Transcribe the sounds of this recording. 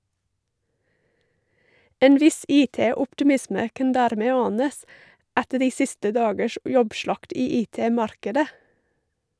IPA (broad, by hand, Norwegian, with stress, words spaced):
ˈeːn ˈʋɪs ˈiːˌteːʊpʈɪˌmɪsmə ˈkɑn ˈdæːɾˌmeː ˈɑːnəs ˈætə ˈɖiː ˈsɪstə ˈdɑːɡəʃ ˈjɔbˌʃɭɑkt ˈiː ˈiːˌteːˌmɑɾkədə